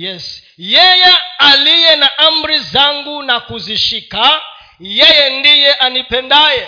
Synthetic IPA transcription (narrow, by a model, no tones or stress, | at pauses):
jɛs | jɛjɛalijɛnaʔambɾizaŋɡunakuziʃikʰa | jɛjɛndijɛʔanipʰɛndaːjɛ